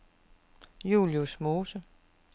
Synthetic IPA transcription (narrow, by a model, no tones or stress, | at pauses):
jṵːljusmo̝ːsə